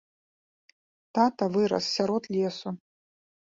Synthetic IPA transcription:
t̪at̪ɐvɨɾɐ̰ssʲaɾɔt̪lʲɛsu

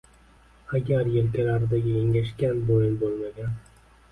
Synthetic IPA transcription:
aɡʲaɾjelkʲalaɾd̪aɡʲɪeŋʲaʃkʲanbojɪnbolˠmaɡʲan

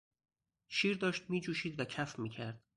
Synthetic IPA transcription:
ʃiːɾd̪ɒːʃt̪̚miːd͡ʒuːʃiːd̪væcʰæfmiːcʰæɾd̪̥

